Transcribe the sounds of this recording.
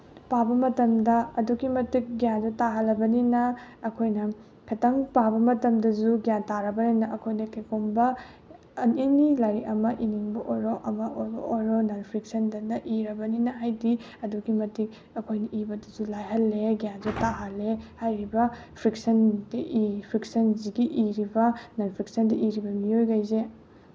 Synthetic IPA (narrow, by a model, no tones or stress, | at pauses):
pabɐmɐtɐmdɐɐduɡimɐtik̚ɡijanzutaɦɐlːɐbɐninɐːkʰojnɐ | kʰɐtɐŋpabɐmɐtɐmdɐzuɡijantaɾɐbɐninɐʔɐkʰojnɐkekombɐ | nenilajɾiɐmɐʔiniŋbɐʔojɾoʔɐmɐojɾonanpʰɾik̚sɐndɐnɐʔiɾɐbɐninɐɦajdi | ɐduɡimɐtik | ɐkʰojnɐʔibɐdɐzulajɦɐlːeɡijanzutaɦɐlːehajɾibɐpʰɾik̚sɐndiʔipʰɾik̚sɐnziɡiʔiɾibɐnɐnpʰɾiksɐndɐʔiɾibɐmiojɡajze